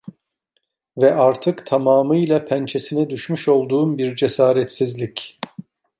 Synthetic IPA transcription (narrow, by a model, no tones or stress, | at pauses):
vɛʔaɾt̪ʰɯkt̪ʰamaːmɯjlˠapʰænt͡ʃʰesinɛd̪yʃmyʃo̞lˠd̪uːmbiɾd͡ʒesaːɾɛt̪sizlʲic